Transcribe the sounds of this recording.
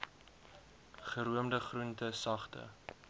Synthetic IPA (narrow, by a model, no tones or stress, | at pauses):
χəɾuəmdəχruntəsɐχtə̰